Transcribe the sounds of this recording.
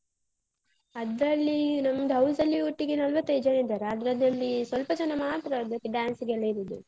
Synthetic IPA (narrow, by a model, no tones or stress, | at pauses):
ɐd̪ɾɐlːinɐmːɐd̪ɦɐwsɐlːiuʈːiɡenɐlʋɐt̪ːɐjd͡ʒɐnid̪aɾeɐd̪ɾɐd̪ɐlːisʋɐlpɐd͡ʒɐnɐmaːt̪ɾɐːd̪ɐkːeɖaːnsiɡelːɐɾid̪u